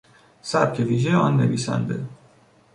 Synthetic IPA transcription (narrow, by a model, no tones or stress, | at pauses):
sæb̚cʲʰeviːʒeɒnːeviːsæ̰nd̪ḛ